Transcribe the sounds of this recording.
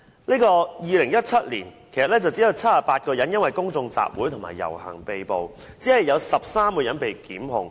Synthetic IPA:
neː˥kɔː˧jiː˨˧lɪ˨˩ŋjɐ˥t̚t͡sʰɐ˥t̚lḭː˨˩nkʰe˨˩jsɐ˨t̚lɛː˥t͡sɐ˨wt͡siː˨˥jɐ˨˧wt͡sʰɐ˥t̚ːaː˨˧paː˧t̚kɔː˧jɐ˨˥njɐ˥nwɐ˨jkʊ˥ŋt͡sʊ˧ŋt͡sa̰ː˨p̚wuː˨˥jt̪ʰʊ˨˩ŋma̰ː˨jːɐ̰˨˩whɐ̰˨˩ŋpe˨jpo˨w | t͡siː˨˥hɐ˨jːɐ˨˧wsɐ˨p̚saː˥mkɔː˧jɐ˨˥npe˨jkiː˨˥mɦʊ̰˧ŋ

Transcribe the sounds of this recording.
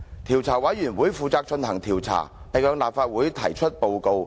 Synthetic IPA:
t̪ʰiː˨˩wt͡sʰaː˨˩wɐ˨˥jy˨˩nwuː˨˥jfuː˨˧t͡saː˧k̚t͡ʃɵ˧nhɐ˨˩ŋt̪ʰiː˨˩wt͡sʰa̰ː˨˩ | pɛː˨˩ŋjœː˧ŋlaː˨p̚faː˧t̚wu˨˥jt̪ʰɐ̰˨˩jt͡ʃʰɵ˥t̚po˨wko˨˧w

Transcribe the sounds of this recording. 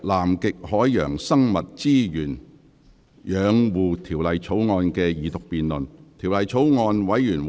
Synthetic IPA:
laː˨˩mkɪ˨k̚hɔː˨˥jːœ̰ː˨˩ŋsɐ˥ŋmɐ˨t̚t͡siː˥jyː˨˩n | jœː˨˧ŋwuː˨˧t̪ʰiː˨˩wlɐ˨jt͡sʰo˨˥wŋɔː˧nkɛː˧jiː˨˩t̪ʊ˨k̚piː˨nlɵ˨nt̪ʰiː˨˩wlɐ˨jt͡sʰo˨˥wŋɔː˧nwɐ˨˥jjyː˨˩nw

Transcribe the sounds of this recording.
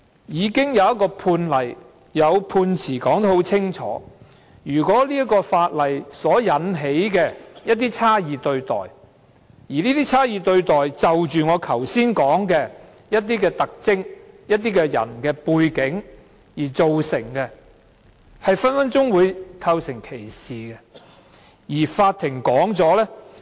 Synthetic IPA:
jiː˨˧kɪ˥ŋjɐ˨˧wjɐ˥t̚kːɔː˧pʰuː˧nlɐ˨˩j | jɐ˨˧wpʰuː˧nt͡sʰiː˨˩kɔː˨˥ŋt̪o˥ho˨˥wt͡sʰɪ˥ŋt͡ʃʰɔ̰ː˨˥ | jyː˨˩kʷɔː˨˥liː˥ɐ˥kɔː˧faː˧t̚lɐ˨˩jsɔː˨˥jɐ˨˥nɦe˨˥jkɛː˧jɐ˥t̚t̪iː˥t͡sʰaː˥jiː˨t̪ɵ˧ɥt̪ɔ̰ː˨˩j | jiː˨˩liː˥t̪iː˥t͡sʰaː˥jiː˨˧t̪ɵ˧ɥt̪ɔː˨jt͡sɐ˨wt͡ʃyː˨ŋɔː˨˧kʰɐ˨˩wsiː˥nkɔː˨˥ŋkɛː˧ | jɐ˥t̚t̪̬iː˥kɛː˧t̪ɐ˨k̚t͡sɪ˥ŋjɐ˥t̚t̪̬iː˥kɛː˧jɐ̰˨˩nkɛː˧puː˧jkɪ˨˥ŋ | jiː˨˩t͡so˨wsɪ˨˩ŋkɛ˧ | hɐ˨jfɐ˥nfɐ˥nt͡sʊ˥ŋwuː˨˧jkʰɐ˧wsɪ˨˩ŋkʰe˨˩jsiː˨˩kɛ˧ | jiː˨˩faː˧t̪̚ʰːɪ˨˩ŋkɔː˨˥ŋt͡sɔː˨˥lɛ˥

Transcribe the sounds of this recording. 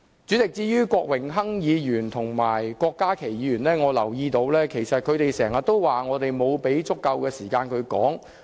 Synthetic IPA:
t͡syː˨˥t͡sɪ˨k̚t͡siː˧jyː˥kɔː˧k̚wɪ˨˩ŋɦɐ˥ŋjiː˨˧jyː˨˩nt̪ʰʊ˨˩ŋmaː˨˩jkɔː˧kːaː˥kʰe˨˩jiː˨˧ɥyː˨˩nlɛː˥ŋɔː˨˧lɐ˨˩wjiː˧t̪o˨˧wlɛː˥kʰe˨˩jsɐ˨t̚kʰɵ˨˧t̪e˨jsɛː˨˩ŋɐ˨˩t̪ːo˥wwaː˨ŋɔː˨˧t̪e˨jmo˨˧wpe˨˥jt͡sʊ˥kːɐ˧wkɛː˧siː˨˩kaː˧nkʰɵ˨˧ɥkɔ̰ː˨˥ŋ

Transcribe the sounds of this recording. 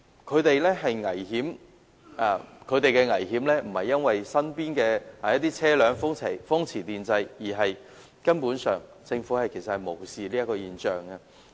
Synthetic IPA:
kʰɵ˨˧ɥt̪e˨jlɛː˥ɦɐ˨jŋɐ˨˩jɦiː˨˥m | ʔaː˨˧kʰɵ˨˧ɥt̪e˨jkɛː˧ŋɐ˨˩jɦiː˨˥mlɛː˥m̩˨˩hɐ˨jːɐ˥nwɐ˨jsɐ˥npiː˥nkɛː˧aː˨jɐ˥t̪ːiː˥t͡sʰɛː˥lœː˨˧ŋfʊ˥ŋt͡sʰe˨˩jfʊ˥ŋt͡sʰiː˨˩t̪iː˨˩nt͡sɐ˧jjiː˨˩ɦɐ˨j | kɐ˥npuː˨˥nsœ̰ː˨ŋ | t͡sɪ˧ŋfu˨˥hɐ˨jkʰe˨˩sɐ˨thɐ˨˩jmo˨˩wsiː˨liː˥ɐ˥t̚kɔː˧jiː˨nt͡ʃœː˨ŋɐ˧

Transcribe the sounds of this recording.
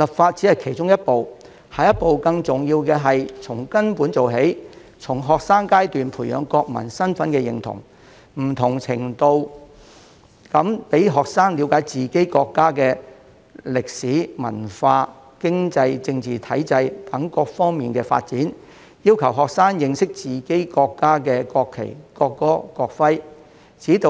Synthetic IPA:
lɐ˨pfaː˧t̚t͡siː˨˥hɐ˨jkʰe˨˩jt͡ʃʊ˥ŋjɐ˥t̚po˨w | hɐ˨jɐ˥t̚po˨wkɐ˧ŋt͡sʊ˨˩ŋjiː˧wkɛː˧ɦɐ˨jt͡sʰʊ˨˩ŋkɐ˥npuː˨˥nt͡so˨wɦe˨˥jt͡sʰʊ˨˩ŋɦɔː˨k̚saː˥ŋkaː˥jt̪yː˨npʰuː˨˩jœ̰ː˨˧ŋkɔː˧k̚mɐ̰˨˩nsɐ˥nfɐ˨˥nkɛː˧jɪ̰˨˩ŋt̪ʰʊ̰˨˩ŋ | m̩˨˩t̪ʰʊ˨˩ŋt͡sʰɪ˨˩ŋt̪o˧w | kɐ˨˥mpe˨˥jɦɔː˨k̚saː˥ŋli˨˥wkaː˨˥jt͡siː˨ke˥jkɔː˧kːaː˥kɛː˧ | lɪ˨k̚siː˨˥mɐ̰˨˩nfaː˧ | kɪ˥ŋt͡sɐ˧jt͡sɪ˧ŋt͡siː˨t̪ʰɐ˨˥jt͡sɐ˧jt̪ɐ˨˥ŋkɔː˧k̚fɔː˥ŋmiː˨nkɛː˧fa̰ː˧t̚t͡siː˨˥n | jiː˥wkʰɐ˨˩wɦɔː˨k̚saː˥ŋjɪ˧ŋsɪ˥k̚t͡siː˨˩ke˥jkɔː˧kːaː˥kɛː˧kɔː˧kʰːḛ˨˩jkɔː˧kːɔː˥kɔː˧k̚fɐ˥j | t͡siː˨˥t̪o˧

